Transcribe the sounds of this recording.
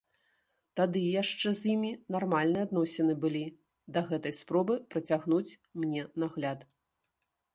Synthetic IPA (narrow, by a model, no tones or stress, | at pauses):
t̪ad̪ɨjaʂt͡ʂɛzʲjimʲinarmalʲnɨad̪nɔsʲɛnɨbɨlʲi | d̪ɐɣɛt̪ɐjspɾɔbɨpɾɐt͡sʲaɣnut͡sʲ | mnʲɛnaɣlʲat̪